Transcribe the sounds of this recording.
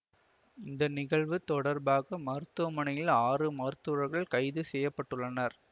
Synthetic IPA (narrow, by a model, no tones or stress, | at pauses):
ɪnd̪ɐnɪɣɐɭʋɯt̪ːɔɽɐɾbaːɣɐmɐɾɯt̪ːɯʋɐmɐnɐjɪlaːrɯmɐɾɯt̪ːɯɾɐɾɣɐɭkɐɪðɯsɛjːɐpːɐʈːɯɭːɐnɐɾ